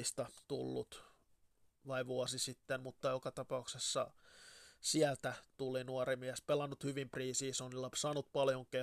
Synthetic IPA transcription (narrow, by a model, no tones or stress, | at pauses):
ist̪ɑt̪ṵlːṵt̪ | ʋɑiʋuɔsisit̪ːemmut̪ːɑjokɑt̪ɑpɑuksesːɑ | siælt̪æt̪ulinuɑɾimiæspelɑnːut̪hyʋimpriːsiːsonilːɑpsɑːnut̪̚pɑljoŋke